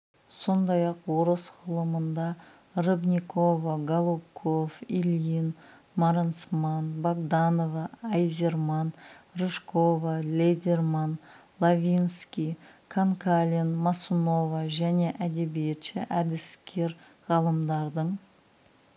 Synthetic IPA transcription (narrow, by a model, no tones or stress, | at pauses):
so̞nd̪ɑjɑqwoɾəsʁəlˠəmənd̪ɑ | rəbnʲiko̞vaɡalˠukʰofilʲin | maɾent̪smɑnbaɡd̪anovɑːjzʲe̞rmɑnreʃko̞valʲed̪ermanlˠavʲinskʲijkʰaŋkʰalʲinmasuno̞vaʒæne̞ʔæd̪e̞bije̞t̪ʃɪʔæd̪ɪskʲʰe̞ɾ | ʁɑlˠəmd̪ɑɾd̪əɴ